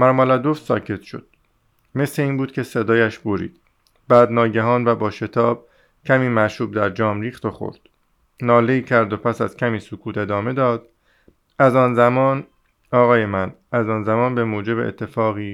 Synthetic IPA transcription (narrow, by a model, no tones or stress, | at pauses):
mæɾmolæd̪ofsɒ̰ːcʰe̞t̪ʃo̞̰d̪̥̚ | me̞sle̞iːnbuːd̪̚cʰe̞se̞d̪ɒːjæʃboɾḭːd̪̥ | bæːd̪nɒːɟæɦɒːnvæbɒːʃe̞t̪ʰɒːb̥̚ | cʰæmiːmæʃuːb̚d̪æɾd͡ʒɒːmɾiːxt̪oxo̰ɾd̪̥ | nɒːleiːcʰæɾd̪opʰæsæz̥cʲʰæmiːsokʰuːt̪ʰe̞d̪ɒːme̞d̪ɒːd̪̥ | æzɒːnzæmɒːn | ɒːɣɒːjemænæzɒːnzæmɒːnbe̞moːd͡ʒe̞bḛḛt̪ʰːe̞fɒːɣiː